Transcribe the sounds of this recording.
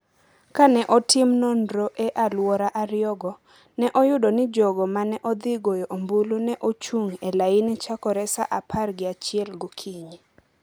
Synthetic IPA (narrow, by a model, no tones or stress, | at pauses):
kanɛʔɔtɪmnondɾoʔɛʔalwɔɾaʔaɾjɔɡɔ | nɛʔɔjʊdonɪd͡ʒoɡɔmanɛʔɔd̪ɪɡojɔʔombulunɛʔot͡ʃuŋɛlainit͡ʃakɔɾɛsaʔapʰarɡɪat͡ʃɪɛlɡʊkʰiɲe